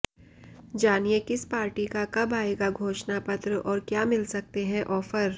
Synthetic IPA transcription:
d͡ʒaːnijekɪspaːɾʈikakɐbaːeːɡaɡʱoːʃnapɐt̪ɾəʔɔːɾkjaːmɪlsɐk̚t̪eɦɛ̃ʔɔːfəɾ

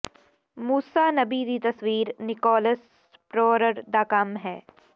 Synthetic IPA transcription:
muːsaːnɐbid̪it̪ɐswiːɾnɪkɔːləs | pɾɔːɾəɾd̪aːkaːmɦɛː

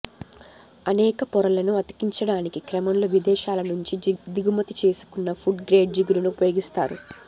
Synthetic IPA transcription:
ɐnɛːkɐpɔɾɐlɐnuɐt̪i̥kiɲt͡ʃɐɽaːnikikɾɐmɐmloːʋid̪ɛːʃaːlɐnuɲt͡ʃid̪iɡumɐt̪it͡ʃe̞ːsu̥kunːɐfʰuɖɡɾe̞ːɖ̚d͡ʒiɡuɾunupɐjoːɡist̪a̰ːɾṵ

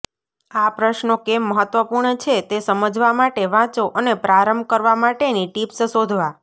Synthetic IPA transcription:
apɾəʃnokemːəɦət̪ʋəpuɾɳət͡ʃʰet̪esəməd͡ʒʋamaʈeʋãt͡ʃoʔənepɾaɾəmbʱkəɾʋamaʈeniʈipsəʃod̪ʱʋa

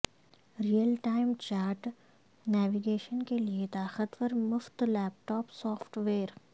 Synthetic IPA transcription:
ɾijəlʈaːɪmt͡ʃaːɾʈ | nɛːʋiɡeːʃənkeliet̪aːxət̪ʋəɾmʊft̪lɛːp̚ʈɔːpsɔːfʰʈʋeːɾ

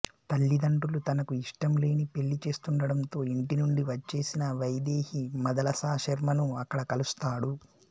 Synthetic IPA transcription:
t̪ɐɭːid̪ɐɳʈulut̪ɐnɐkuiʂʈɐmle̞ːnipe̞ɭːit͡ʃe̞ːst̪uɳɖɐɽɐnt̪o̞ːiɳʈinuɳɖiʋɐt͡ʃːe̞ːsinɐʋɐjd̪e̞ːhimɐd̪ɐlɐsaːʃɐɾmɐnuɐkːɐɽɐkɐlust̪aːɽu

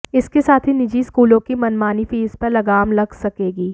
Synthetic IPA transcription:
ɪskesaːt̪ʰinɪd͡ʒiskuːlõkimɐnmaːnifiːzpɐɾlɐɡaːmlɐɡsɐkeːɡiː

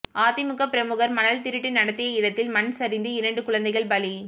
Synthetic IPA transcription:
aːt̪ɪmʊkɐpːɪɾɐmɯɣɐɾmɐnɐlt̪ɪɾɪʈːɪnɐɽɐt̪ːɪjɐɪɽɐt̪ːɪlmɐnsɐɾɪnd̪ɯɪɾɐɳɖɯkʊɻɐnd̪ɐɪɣɐɭbɐli

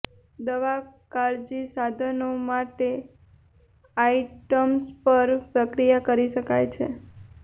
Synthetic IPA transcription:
d̪əʋakaɾd͡ʒisad̪ʱənomaʈe | aiʈəmspəɾpɾəkɾijakəɾiʃəkajt͡ʃʰe

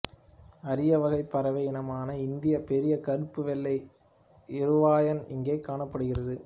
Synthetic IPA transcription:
ɐɾɪjɐʋɐɣɐɪpːɐɾɐʋɐjɪnɐmaːnɐɪnd̪ɪjɐpɛɾɪjɐkɐɾɯpːɯʋɛɭːɐɪ | ɪɾɯʋaːjɐnɪŋɡeːkːaːɳɐpːɐɽɯɣɪrɐðɯ

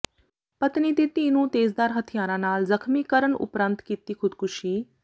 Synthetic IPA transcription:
pət̪niːt̪iːt̪iːnũːt̪eːzd̪aːɾɦət̪ʰijaːɾãːnaːlzəkʰmiːkəɾəɳʊ̰pɾənt̪kiːt̪iːkʰʊd̪kʰʊʃiː

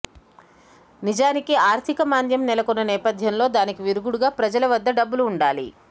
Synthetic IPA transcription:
nid͡ʒaːnikiaːɾt̪ʰikɐmaːnd̪jɐmnɛlɐkunːɐnɛːpɐd̪ʱjɐmlo̞ːd̪aːnikiʋiɾuɡuɽuɡaːpɾɐd͡ʒɐlɐʋɐd̪ːɐɖɐbːuluːɳɖaːlḭ

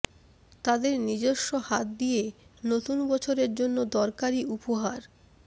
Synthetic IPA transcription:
t̪ad̪eɾnid͡ʑoʃːohat̪̚d̪ijenot̪unbɔt͡ɕʰoɾeɾd͡ʑonːod̪ɔɾkaɾiupoɦaɾ

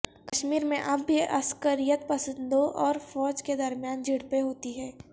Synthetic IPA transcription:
kɐʃmiːɾmẽʔɐbːiɐskəɾijət̪̚pɐsə̃nd̪oʔɔːɾfɔːd͡ʒked̪ɐɾmjaːnd͡ʒɪɽpeɦoːt̪iɦɛː

